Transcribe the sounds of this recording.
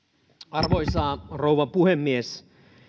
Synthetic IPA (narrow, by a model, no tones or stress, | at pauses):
ɑrʋoisɑːrouʋɑmpuhemːies